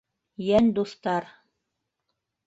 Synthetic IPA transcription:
jænd̪uθt̪ɑɾ

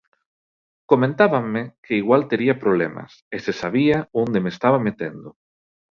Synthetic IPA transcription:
komẽnt̪aβaŋmekʰeiɣwalt̪eɾiapɾoβlemɐ̰sesesaβiaond̪emest̪aβamet̪end̪ʊ

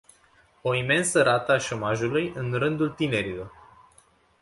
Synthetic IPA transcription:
o̞ime̞nsəɾat̪əaʃo̞maʒulujɨnrɨnd̪ult̪ine̞ɾilo̞r

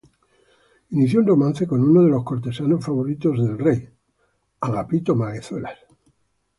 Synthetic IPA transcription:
iniθjonromãn̟θe̞ko̞nunoð̞e̞lo̞skoɾt̪e̞sano̞sfaβoɾit̪o̞zðe̞lrej | aŋapit̪omaɣeθwelas

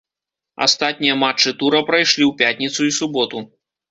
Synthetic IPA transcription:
a̰st̪at̪ʲnʲijɐmat͡ʂːɨt̪uɾɐpɾajʂlʲiwpʲat̪ʲnʲit̪suisubɔt̪u

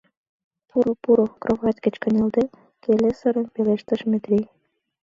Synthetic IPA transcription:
puɾopuɾokrʔoβɑt̪ʲkə̆t͡ɕkə̆nʲeld̪e | kelesəɾə̆npeleʃt̪ə̆ʃmet̪ɾij

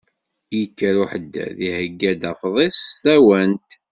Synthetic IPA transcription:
jəkːəɾuħəd̪ːæ̰ðihəɡːæd̪æfðˤestæwænt̪

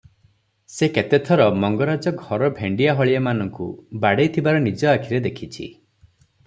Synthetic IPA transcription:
seket̪et̪ʰɔɾɔmɔŋɡɔɾad͡ʒɔɡʱɔɾɔbʱeɳɖiaɦɔɭiamanɔŋkṵbaɽejt̪ʰibaɾɔnid͡ʒɔakʰiɾed̪ekʰit͡ʃʰḭ

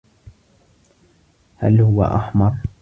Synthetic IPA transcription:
ha̰lhʊwa̰ʔaħmɑɾˤ

